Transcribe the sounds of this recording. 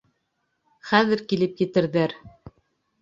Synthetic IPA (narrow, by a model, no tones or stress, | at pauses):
χæðɘɾkilɘpjɘ̆t̪ɘ̆ɾðæɾ